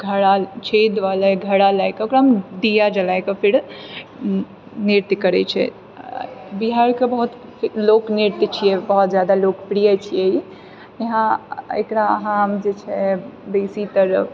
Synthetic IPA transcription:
ɡʱəɽat͡ʃʰed̪ʋaleɡʱəɽalajkokɾamd̪ijad͡ʒəlajkepʰiɾ | niɾt̪jəkəɾɛt͡ʃʰɛ̰ | biɦaɾkebəɦut̪lokniɾt̪jt͡ʃʰijɛbəɦut̪d͡ʒjad̪alokpɾijat͡ʃʰijɛi | jeɦãḛkɾaə̰ɦãmd͡ʒet͡ʃʰɛbesit̪əɾə

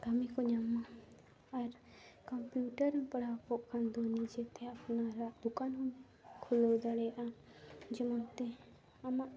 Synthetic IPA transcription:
k̪amikɔɲamaː | ɾkɔmpjuʈəɾpəɽawkɔʔkʰand̪onid͡ʒɛt̪ɛapnaɾaʔd̪ukanɦun | kʰulɔd̪aɽɛjʔad͡ʒɛmɔnt̪ɛ | amaʔ

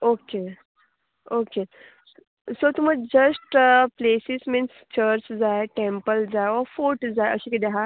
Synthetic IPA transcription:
oke | oke | sot̪uməɡ̚d͡ʒəsʈplesisminst͡ʃəɾt͡ʃd͡zaeʈẽmpəld͡zaeɔfoʈd͡zaeə̰ɕikid̪eɦa

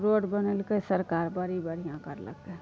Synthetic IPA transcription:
ɾoɖbənəlkesəɾkaɾbəɾibəɾ̤ijãkə̰ɾlə̰ɡe

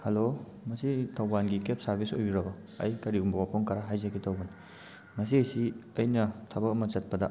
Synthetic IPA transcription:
hɐlo | mɐsitʰɐwbanɡikep̚sɐɾbʱiso̰juɾɐbɐ | ɐ̰jkɐɾiɡumbɐwapʰoŋkɐɾaɦajzɐkitʰɐwban | mɐs̬iɐjsiɐjnɐtʰabɐkɐmɐt͡ʃɐt̚pɐdɐ̰

